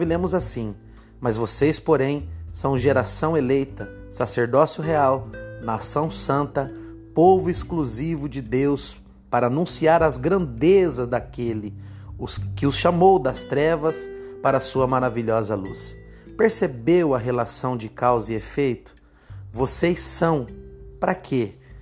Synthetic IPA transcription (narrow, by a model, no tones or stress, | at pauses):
vilẽmʊzasĩ | mɐzvosejspoɾẽj̃sɐ̃w̃ʒeɾasɐ̃w̃elejt̪ɐ | saseɾd̪ɔsjʊɦeawnasɐ̃w̃sɐ̃nt̪ɐ | povʊɪskluzivʊd͡ʒɪd̪ews | paɾɐːnũsiaɾɐzɡɾɐ̃nd̪ezɐzd̪akelɪʊskɪʊsʃamowd̪ɐst̪ɾɛvɐspaɾɐːsuɐmaɾaviʎɔzɐlṵs | peɾsebewɐɦelasɐ̃w̃d͡ʒɪkawzɪefejt̪ʊ̥ | vosejsːɐ̃w̃pɾɐkʰe